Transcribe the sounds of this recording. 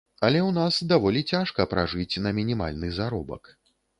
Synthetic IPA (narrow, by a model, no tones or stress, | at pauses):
ɐlʲɛwnasd̪avɔlʲit͡sʲaʂkɐpɾa̰ʐɨt͡sʲnɐmʲinʲima̰lʲnɨzaɾɔbɐ̰k